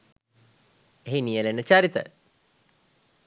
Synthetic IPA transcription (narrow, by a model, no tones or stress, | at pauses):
eɦinijəlenət͡ʃaːɾit̪ə̰